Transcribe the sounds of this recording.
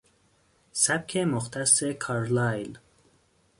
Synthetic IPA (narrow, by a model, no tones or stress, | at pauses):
sæb̚kʰemoxt̪ʰæsːekʰɑɾlɑjl